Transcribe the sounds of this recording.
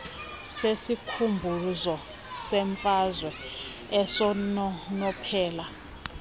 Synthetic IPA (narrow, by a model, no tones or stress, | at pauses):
sesikʰumbʱuzɔ | sɛɱfazwɛɛsɔnɔnɔpʰɛːla